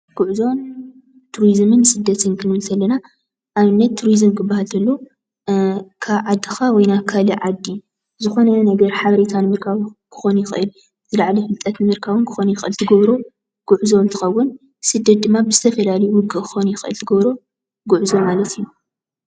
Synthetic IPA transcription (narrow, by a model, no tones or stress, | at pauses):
ɡ̥ʊʕzo̞n | t̪ʰuɾizmɨnsɨd̪ːɐt̪ʰɨnkʰɨnɨlt̪ʰɐlːɐna | ʔaβɨnːɐt̪ʰːuɾizɨmkʰɨbːahalt̪ʰɐlːo | kʰaβʕad̪ːɨxawɔjnakʰaliʕad̪ːi | zɨxo̞nɐnɐɡɐɾħaβɐɾet̪ʰanɨmɨɾkʰawkʰɨ̥xo̞nujɪxʔɨl | zɨlaʕlɐfɨlt̪ʼːɐt̪nɨmɨɾkʰaβɨnkʰɨ̥xo̞nujɪxʔɨlt̪ʰɨɡɐβɾo | ɡ̥ʊʕzo̞nt̪ʰɨ̥xɐwːʊn | sɨd̪ːɐt̪̚d̪ɨmːabɨzɨt̪ʰɐfɐlalɐjuwʊɡːɨkʰɨ̥xo̞nujɪxɨʔɨ̰lt̪ʰɨɡɐβɾo̞ | ɡʊʕzomalɐt̪iju